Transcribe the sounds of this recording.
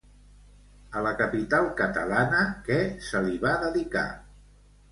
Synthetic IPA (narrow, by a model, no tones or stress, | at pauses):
ələkəpit̪alˠkət̪əlanəkɛsəliβaðəðika̰